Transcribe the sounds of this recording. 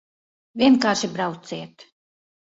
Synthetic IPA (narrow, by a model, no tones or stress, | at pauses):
vʲiɛnkaːɾʃibɾawt̪siɛt̪